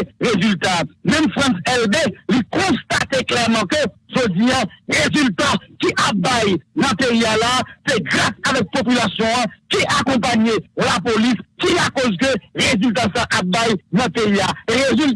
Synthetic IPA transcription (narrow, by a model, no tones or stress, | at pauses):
ʁezylt̪amɛ̃mfʁãsɛlbelikɔ̃st̪at̪eklɛʁmɑ̃køʒod͡ziãʁezylt̪akiʔap̚bajnʌ̃peialaːseɡʁasavɛk̚pop̬ylasjɔ̃ɑ̃kiʔakɔ̃p̬aɲelap̬oliskiakɔzkøʁezylt̪̬asaʔap̚bajnʌ̃peiaʁezyl